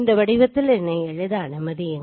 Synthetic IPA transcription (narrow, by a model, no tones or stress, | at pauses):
nd̪ɐʋɐɽɪʋɐt̪ːɪlɛnːɐɪɛɻɯðɐɐnɯmɐðɪɛn